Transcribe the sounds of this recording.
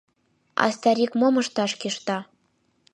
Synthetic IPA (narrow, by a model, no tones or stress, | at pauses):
ɑ̰st̪ɑɾʲikmomɤ̆ʃt̪ɑʃkʲiʃt̪ɑ